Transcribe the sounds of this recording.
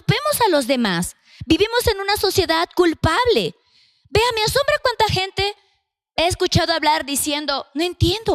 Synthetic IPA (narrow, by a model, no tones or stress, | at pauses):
pe̞mo̞salo̞zðe̞mas | biβimo̞se̞nũnaso̞sje̞ðaðkulpaβle̞ | be̞ameaso̞mbɾakwant̪axe̞nt̪e̞ | eeskut͡ʃað̞oaβlaɾðisje̞nd̪o̞noe̞nt̪je̞nd̪o̞